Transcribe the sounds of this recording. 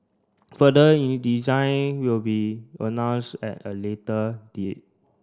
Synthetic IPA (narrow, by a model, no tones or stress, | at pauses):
fədəĩndizãɪnwilbiə̰nãw̃nsɛ̰təletədit̚